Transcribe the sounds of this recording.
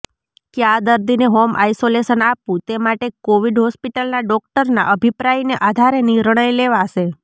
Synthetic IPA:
kjad̪əɾd̪ineɦomʔa̰isoleʃənapũt̪emaʈekoʋiɖɦɔspiʈəlnaɖɔk̚ʈəɾna̰ʔəbʱipɾajneʔad̪ʱaɾeniɾɳ̃əjleʋaʃe

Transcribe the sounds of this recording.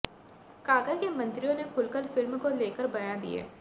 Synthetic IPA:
kaːkakemɐ̃nt̪ɾijõnekʰʊlkəlfɪlmkoleːkəɾbɐjãd̪ḭḛː

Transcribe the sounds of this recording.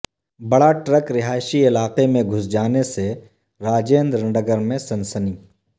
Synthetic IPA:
bɐɽaʈɾəkɾɪɦaːɪʃiɪlaːqemẽɡʱʊsd͡ʒaːnese | ɾaːd͡ʒeːnd̪ɾ̃ɳɖəɡəɾmẽsɐnsəniː

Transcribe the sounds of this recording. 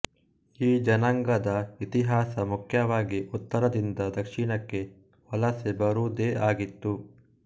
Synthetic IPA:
iːd͡ʒɐnɐŋɡɐd̪ɐit̪iɦaːsɐmukʰjɐʋaːɡiʔut̪ːɐɾɐd̪ind̪ɐd̪ɐkʂiɳɐkːe̞ | ʋɐlɐsebɐɾuːd̪eːaːɡit̪ːu

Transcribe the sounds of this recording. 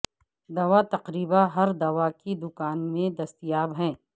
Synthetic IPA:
d̪ɐʋat̪ɐqɾiːbaɦɐɾd̪ɐʋakid̪ʊkaːnmẽd̪ɐst̪ijaːbɦɛ̃ː

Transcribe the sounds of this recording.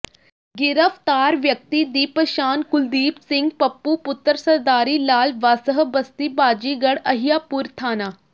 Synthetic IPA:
ɡɪɾəft̪aːɾʋjək̚t̪iːd̪iːpəʃaːnkʊld̪iːpsɪ̃ŋɡpəpːuːpʊt̪ːəɾsəɾd̪aːɾiːlaːlʋaːsəɦbəst̪iːbaːd͡ʒiːɡəɽəɦijaːpuːɾt̪ʰaːnaː

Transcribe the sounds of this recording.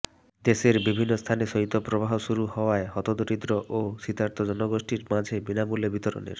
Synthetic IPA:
d̪eseɾbibʱinːɔst̪ʰanesɔit̪opɾobaɦɔsuɾuhɔwaeɦɔt̪od̪oɾid̪ɾɔʔosit̪aɾt̪ɔd͡ʒɔnɔɡosʈiɾmad͡ʒʱebinamulebit̪ɔɾɔ̰nḛɾ

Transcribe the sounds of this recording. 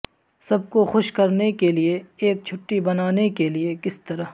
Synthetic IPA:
sɐb̚koxʊʃkɐɾnekelieeːk̚t͡ʃʰʊʈːibɐnaːnekeliekɪst̪ɐɾəɦ

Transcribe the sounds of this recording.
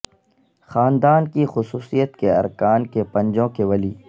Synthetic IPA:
xaːnd̪aːnkixʊsuːsijət̪keɐ̰ɾkaːnkepɐ̃ɲd͡ʒõkeʋɐliː

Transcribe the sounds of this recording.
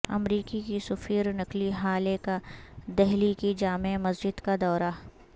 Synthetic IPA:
ɐ̰mɾiːkikisʊfiːɾnɐkliɦaːlekad̪ɛɦlikid͡ʒaːmemɐsd͡ʒɪd̪kad̪ɔːɾa

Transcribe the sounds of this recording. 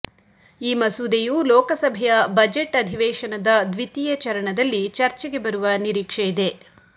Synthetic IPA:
iːmɐsud̪ejulɔːkɐsɐbʱɛjɐbɐd͡ʒeʈːɐd̪ʱiʋɛːʃɐnɐd̪ɐd̪ʋit̪ijɐt͡ʃɐɾɐɳɐd̪ɐlːit͡ʃɐɾt͡ʃɛɡe̞bɐɾuʋɐniɾiːkʂɛjid̪e̞

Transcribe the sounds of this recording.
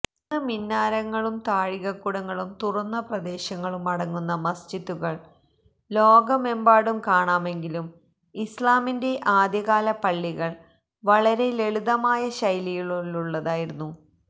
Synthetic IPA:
nːɨminːaːɾɐŋːɐɭumt̪aːɻiɣɐkːuɽɐŋːɐɭumt̪urɐnːɐprɐd̪e̞ːɕɐŋːɐɭumɐɽɐŋːunːɐmɐst͡ɕit̪ːuɣɐɭ | lo̞ːɡɐme̞mbaːɽumkaːɳaːme̞ŋɡilum | islaːminde̞ʔaːd̪jɐɣaːlɐpɐɭːiɣɐɭ | ʋɐɭɐɾe̞leɭuðɐmaːjɐɕɐjlijiɭulːuɭːɐðaːjiɾunːu

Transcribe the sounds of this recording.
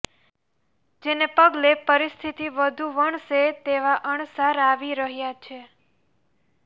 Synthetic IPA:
d͡ʒenepəɡlepəɾist̪ʰit̪iʋəd̪ʱuʋəɳset̪eʋaʔəɳsaɾaʋiɾəɦjat͡ʃʰe

